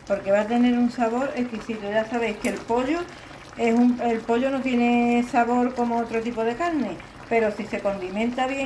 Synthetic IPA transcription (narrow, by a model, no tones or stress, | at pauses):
po̞ɾke̞βat̪e̞ne̞ɾunsaβo̞ɾe̞hkisit̪oʝasaβejhkelpo̞ʎo | e̞sumelpo̞ʎono̞t̪je̞nesaβo̞ɾko̞moot̪ɾot̪ipo̞ðe̞kaɾne̞ | pe̞ɾo̞sise̞ko̞nd̪imẽ̞nt̪aβje